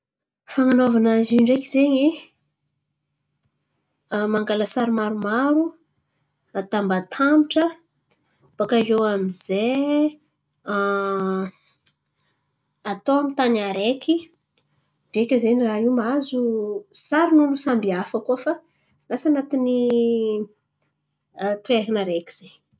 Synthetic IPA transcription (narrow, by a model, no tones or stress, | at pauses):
faŋanovanaziɳɖ͡ʐekizeɲi | maŋɡaləsaɾimaɾumaɾu | at̪ambat̪ʰamiʈ͡ʂə | b̥akaʒewamiz̥e | at̪oamit̪anaɾeki | b̥ekʲazeniraiwmazusaɾinulusambiafəkuəfa | lasanat̪ini | t̪ueɦinaɾeki̥z̥e